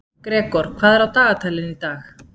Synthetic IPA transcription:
kɾɛːkɔɾ̥kʰvaːðɛɾawt̪aːɣat̪ʰalɪnit̪aːx

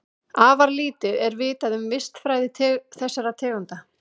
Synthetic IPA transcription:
aːvaɾliːt̪ʏʔɛɾvɪːt̪aðʏmvɪst̪fɾaːjðɪt̪ʰːθɛsːaɾat̪ʰɛːɣant̪a

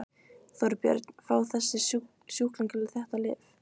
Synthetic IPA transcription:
θɔɾpjœ̰ɾt̪n̥fɾaːwθɛsːɪ | sjuːhkliŋcɪlɪθɛht̪alɪ̰ːf

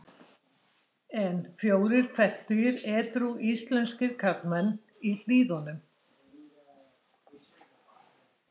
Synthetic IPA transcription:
ɛnfjoːwðɪɾ̥fɛst̪ʏjɪɾɛːt̪ɾuʔist̪lɛnscɪɾ̥kʰapnmɛnː | il̥iːðɔnʏm

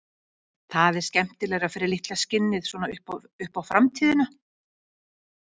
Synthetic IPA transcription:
θaðɛɾ̥scɛm̥t̪ɪlɛɣɾaðfɪːɾɪɾlɪht̪lascɪnːɪðsvɔnaʏhp | ʏhpawfɾamt̪ʰiːðɪna

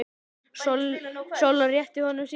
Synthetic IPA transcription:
sɔlsowlːarjɛht̪ɪhɔnːʏms

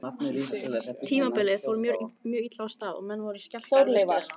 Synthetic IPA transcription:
t̪ʰiːmapɪlɪðfowɾmjɾmjœːit̪last̪aːðɔ̰mɛnːvɔɾʏ̥scḁθowɾleːjvaɾ̥

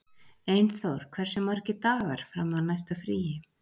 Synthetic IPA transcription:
ejnθowɾ̥kʰv̥ɛɾ̥sʏmaɾcɪt̪aːɣaɾ̥fɾamːawnajst̪afɾiːjɪ

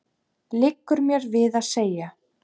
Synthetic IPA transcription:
lɪkːʏɾmjɛɾvɪðaðseːja

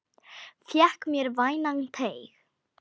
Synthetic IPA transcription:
fjɛhkmjɛɾvaːjnaŋt̪ʰeːjx

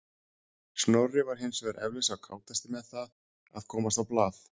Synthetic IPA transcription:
snowrɪvaɾ̥ɦɪnsvɛɾʔɛ̰vlɪsawkʰaːwt̪ast̪ɪmɛðθað | aðkʰɔːmast̪awplaːθ

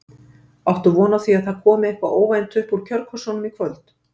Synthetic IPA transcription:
awht̪ʏvɔːnaθviaðθaðkʰɔːmɪehkvaʔoːwvajnt̪ʰʏhpuɾ̥cʰœɾkʰɔ̥sɔwnʏmikʰvœlt̪

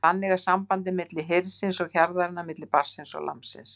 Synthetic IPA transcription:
θanːɛɣḁsampant̪ɪmɪt̪lɪɦeɾsɪnsɔɣçaɾðaɾɪnːamɪt̪lɪpaɾ̥sɪnsɔ̰ɣlʔa̰msɪ̰nss

